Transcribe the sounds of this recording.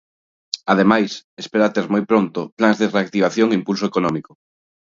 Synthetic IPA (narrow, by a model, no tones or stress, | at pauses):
að̞emajsespeɾat̪eɾmojpɾont̪oplanzðereak̚t̪iβ̞aθjoŋimpulsoekonɔmiko̥